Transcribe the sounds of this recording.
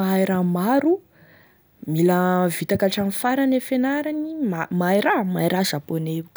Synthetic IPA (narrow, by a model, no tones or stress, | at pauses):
aajɾamaɾu | miləvit̪akaʈ͡ʂanfaɾanefenaɾanimamajɾamaiɾazaponeuk